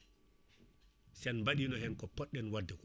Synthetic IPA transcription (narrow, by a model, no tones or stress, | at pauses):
sɛnmbaɗiːnɔhɛnkɔpɔɗɛnwadːɛk